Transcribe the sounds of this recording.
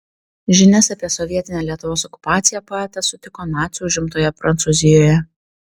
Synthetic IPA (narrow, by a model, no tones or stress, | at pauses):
ʒʲɪnʲɛsɑːpʲiɛsɔʋʲiɛt̪ʲɪnʲɛlʲiɛt̪ʊʋoːsɔkʊ̥pɑːt̪sʲɪjɛpɑɛt̪ɐsʊt̪ʲɪkoːnɑːt̪sʲuʊʒʲɪmt̪oːjɛpɾɐnt̪suzʲɪjoːjɛ